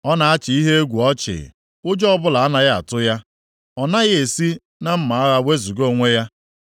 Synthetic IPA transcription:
ɔ˦na˨a˦t͡ʃɪ˨i˦ɦe˦e˦ɡʷu˨ɔ˦t͡ʃɪ̰˨ | ʊ˦d͡ʒɔ˦ɔ˦bʊ˦la˨a˦na˦ɣa˦a̰˨tʊ˦ja˦ | ɔ˨na˦ɣɪ˦e˨si˦ | na˦m̩˦ma˨a˦ɣa˦we˦zu˨ɡo˦˨ŋʷe˦ja˦

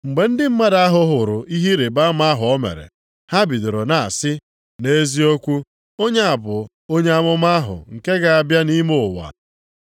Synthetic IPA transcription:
ŋ͡m̩˨ɡ͡be˨n̩˦dɪ˦m̩˦ma˦da˦a˦ɦʊ˨ɦʊ˨ɾʊ˨i˦ɦi˦ɾe˨ba˦ma˦ɦʊ˨ɔ˦mḛ˨ɾḛ˨ | ha˦bi˨dʊ˨ɾo˨na˨a̰˨sɪ˦ | ne˦zi˦o˦kʷu˦ | o˦ɲe˦a˨bʊ˨ | o˦ɲe˦a˦mʊ˦ma˦ɦʊ̰˨ŋ̩˨ke˦ɡa˨a˨bja˦ni˦mo˦˨wa̰˨

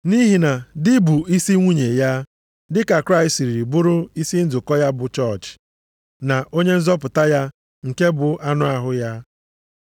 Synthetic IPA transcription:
ni˦ɦi˨na˨dɪ˦bu˨i˦si˦ŋʷu˦ɲe˨ja˦ | dɪ˦ka˨kɾa˦˨i˨sti˨ɾi˨ɾi˨bʊ˦ɾʊ˦i˦si˦n̩˦d͡zʊ˨kɔ˦ja˦bʊ˨t͡ʃɔ˦˨t͡ʃ | na˨ʔo˦ɲe˦n̩˦zɔ˦pʊ˨ta˦ja˦ | ŋ̩˨ke˦bʊ˨ʔa˦nʊ˦a˨ɦʊ˦ja˦

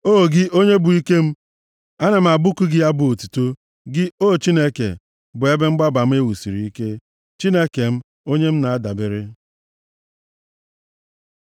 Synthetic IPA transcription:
oː˦˨ɡɪ˦ʔo˦ɲe˦bʊ˨i˦ke˦m̩˦ | a˦na˨m̩˨a˨bʊ˦kʊ˦ɡɪ˦a˦bʊ˦˨o˨tu˨to˦ | ɡɪ˦o˦˨t͡ʃi˦ne˦kḛ˨ | bʊ˨e˦be˦ŋ͡m̩˦ɡ͡ba˦ba˨m̩˦e˦wu˨si˨ɾi˨i˦ke˦ | t͡ʃi˦ne˦ke˨m̩˦ | o˦ɲe˦m̩˦na˨a˦da˨bɪ˨ɾɪ˦

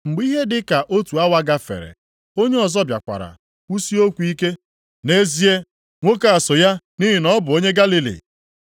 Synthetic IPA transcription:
ŋ͡m̩˨ɡ͡bi˦ɦe˦dɪ˦ka˨ʔo˦tu˨a˦wa˦ɡa˦fḛ˨ɾḛ˨ | o˦ɲe˦ɔ˨zɔ˦bja̰˨kʷa̰˨ɾa̰˨ | u˦si˦o˦kʷu˨i˦ke˦ | ne˦zi˦e˦ | ŋʷo˦ka˨a˨so˨ja˦ | ni˦ɦɪ˨nɔ˦bʊ˨o˦ɲe˦ɡa˦li˦lḭ˨

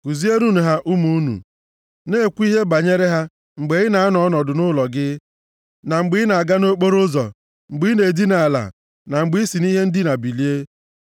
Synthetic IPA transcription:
ku˨zi˦e˦nu˦nu˨ɦa˦ʔu˦mu˨˦nṵ˨ | ne˦˨kʷu˦i˦ɦe˦ba˨ɲe˦ɾe˦ɦa˦ | ŋ͡m̩˨ɡ͡be˨ɣɪ˦na˨a˦nɔ˦ɔ˦nɔ˨dʊ˨nʊ˦lɔ˨ɡɪ˦ | na˨ŋ͡m̩˨ɡ͡bɪ˨˦ɪ˦na˨a˨ɡa˦no˦k͡po˦ɾʊ˦zɔ̰˨ | ŋ͡m̩˨ɡ͡bi˨˦ne˨di˦na˨la̰˨ | na˨ŋ͡m̩˨ɡ͡bi˦i˦si˨ni˦ɦe˦n̩˦dɪ˦na˨bi˨li˦e˦

